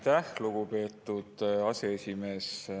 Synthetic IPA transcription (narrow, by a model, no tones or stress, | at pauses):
t̪æhluɡ̥upe̞ːt̪ːˑud̪̥ɑseesʲime̞ːs